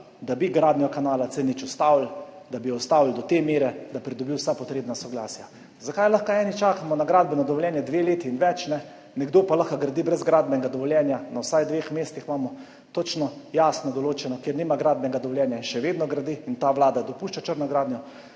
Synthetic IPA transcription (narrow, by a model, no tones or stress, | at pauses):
d̪abiɡɾaːd̪nʲijɔkanaːlasɛnit͡ʃɔst̪awld̪abiɔst̪aːwld̪ɔt̪emeːɾɛd̪apɾid̪ɔbiwsajpɔt̪ɾeːbnasɔɡlaːsja | zakajlaxkaɛːnit͡ʃaːkamɔnaɡɾaːd̪̚bɛnad̪ɔʋɔljɛːnjɛd̪ʋeleːt̪iːnʋɛt͡ʃnɛ | nɛɡd̪oːpalaxkaɡɾad̪ibɾɛzɡɾaːd̪bɛɡad̪ɔʋɔljɛnjanawsajd̪ʋeːxmeːst̪ixmaːmɔ | t̪ot͡ʃnɔjaːsnɔd̪ɔloːt͡ʃɛnɔkjeɾniːmaɡɾaːd̪bɛɡad̪ɔʋɔljɛːnjainʃɛʋeːd̪nɔɡɾad̪iint̪aʋlaːd̪ad̪ɔpuʃt͡ʃat͡ʃəɾnɔɡɾaːd̪njɔ